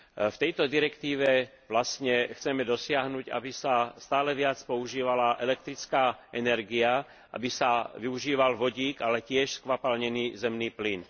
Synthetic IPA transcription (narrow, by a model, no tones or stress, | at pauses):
ft̪ɛjt̪ɔd̪iɾɛkt̪iːʋɛ | ʋlast̪ɲɛxt͡sɛmɛd̪ɔsɪaɦnuːca̰bisast̪aːlɛʋɪat͡spɔuʒiːʋalaʔɛlɛk̚t̪ɾit͡skaːʔɛnɛɾɡia | ʔa̰bisaʋiuʒiːʋalʋɔɟiːkalɛcɪɛʃskʋapalɲɛniːzɛmniːplin